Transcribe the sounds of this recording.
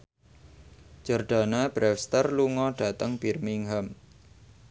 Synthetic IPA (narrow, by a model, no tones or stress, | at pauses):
d͡ʒ̥ɔrɖ̥a̤nab̥ɾɛfst̪ərluŋɔɖ̥a̤t̪əŋb̥irmiŋɦəm